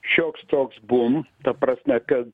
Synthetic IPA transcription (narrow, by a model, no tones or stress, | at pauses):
ʃʲoːkst̪oːksbʊmt̪ɐpɾɐsʲmʲɛkɐt̪